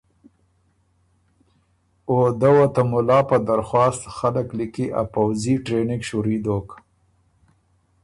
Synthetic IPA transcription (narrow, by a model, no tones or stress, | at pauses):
od̪awot̪amʊlɑpəd̪aɾxwɑst̪xaləklikiʔa̰pawziʈɾenɪɡʃuɾid̪ok